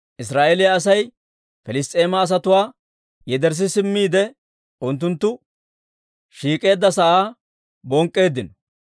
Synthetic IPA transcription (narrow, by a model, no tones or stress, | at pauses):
ʔɪsɾaːʔelɪjaːsɐj | fɛlɪst̪ʼe̞ːmɐːs̬ɐt̪ʊwaː | jɛd̪ɛɾs̬ɪsɪmːiːd̪ɛ | ʊnt̪̬ːʊnt̪ːʊ | ʃiːkʼe̞ːd̪ːɐsɐʔaː | bɔŋkʼːe̞ːd̪ːɪnɔ